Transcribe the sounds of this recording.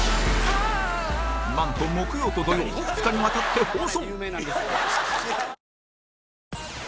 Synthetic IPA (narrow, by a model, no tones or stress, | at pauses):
mãnt̪õmːokɯjoːt̪od̪ojoːfɯ̥t̪aɲʲiβat̪at̪ːe̞hõːsõŋ